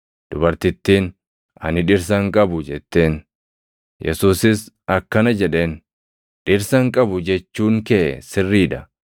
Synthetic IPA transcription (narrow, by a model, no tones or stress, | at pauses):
d̪̥ʊbɐɾt̪ɪt̪ːiːn | ɐ̰nɪᶑɪɾs̬ɐŋkʼɐbʊd͡ʒɛt̪ːe̞ːn | jʔɛ̰suːsɪs | ɐkːɐnɐd͡ʒɛᶑe̞ːn | ᶑɪɾsɐŋkʼɐbʊd͡ʒɛt͡ʃːuːŋkɛʔɛsɪrːiːᶑɐ